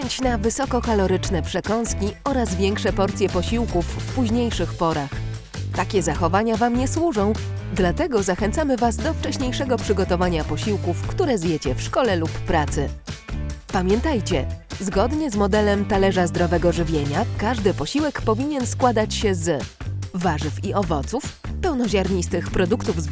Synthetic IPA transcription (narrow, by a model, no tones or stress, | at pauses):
ɛɲt͡ɕnavɘsɔkɔkalɔɾɘt͡ʂnɛpʂɛkɔñskʲiɔɾazvʲjɛŋkʂɛpɔɾt̪sʲjɛpɔɕiwkufːpuʑɲejʂɘxpɔɾax | t̪akʲɛzaxɔvaɲavamɲɛswuʐɔ̃w̃ | d̪lat̪ɛɡɔzaxɛnt̪samɘvazd̪ɔft͡ʂɛɕɲejʂɛɡɔpʂɘɡɔt̪ɔvaɲapɔɕiwkufkt̪uɾɛzjet͡ɕɛfʂkɔlɛlupːɾat̪sɘ | pamʲjɛnt̪ajt͡ɕɛzɡɔd̪ɲɛzmɔd̪ɛlɛmt̪alɛʐazd̪ɾɔvɛɡɔʐɘvʲjeɲakaʐd̪ɘpɔɕiwɛkpɔvʲiɲɛnskwad̪at͡ɕɕɛz | vaʐɘfiɔvɔt̪sufpɛwnɔʑaɾɲist̪ɘxpɾɔd̪ukt̪uvz